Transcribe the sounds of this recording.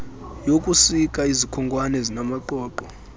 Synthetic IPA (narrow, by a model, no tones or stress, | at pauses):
jokʼusikʼaizikʰɔŋɡʱʼwanɛzinamaǃɔːǃɔ